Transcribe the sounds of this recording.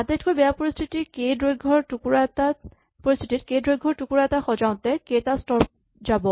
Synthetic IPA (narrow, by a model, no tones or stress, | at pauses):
at̪etkojbɛjapoɹistʰitikejdɹojɡʱɔɹtukuɹata | poɹistʰititkejdɹojɡʱɔɹtukuɹaɛtaxɔd͡ʒaʊ̃t̪ɛketastɔɹp̚ | d͡ʒabɔ